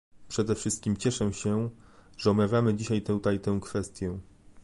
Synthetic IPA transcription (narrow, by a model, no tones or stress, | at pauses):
pʂɛd̪ɛfʂɘst̪̚kʲimt͡ɕɛʂɛɕɛʐ̥ɛɔbmavʲjamɘd͡ʑiɕajt̪ɛt̪ajt̪ɛw̃kfɛst̪ʲjɛ